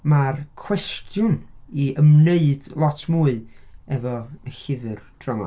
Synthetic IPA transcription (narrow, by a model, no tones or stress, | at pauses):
markʰw̥ɛstʰjʊniəmneɨd̥lˠɔtʰmuːɨ | ɛvɔəxɪvɨrd̥rama̰